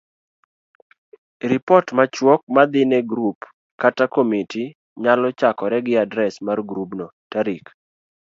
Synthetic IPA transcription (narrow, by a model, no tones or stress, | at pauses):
ɾɪpɔtmat͡ʃwɔk̚mad̪ɪnɛɡɾup | katakomiti | ɲalɔt͡ʃakɔɾɛɡɪadɾɛsmarɡɾubnɔtaɾik